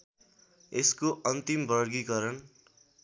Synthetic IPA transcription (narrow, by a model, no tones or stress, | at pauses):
eskoʔʌnt̪imbʌɾɡikʌɾʌn